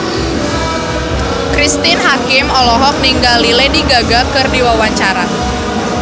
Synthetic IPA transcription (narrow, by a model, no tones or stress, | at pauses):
kɾist̪ɪnɦakɪmɔlɔɦɔk̚niŋɡalilediɡaɡakɨrdiwawaɲt͡ʃaɾa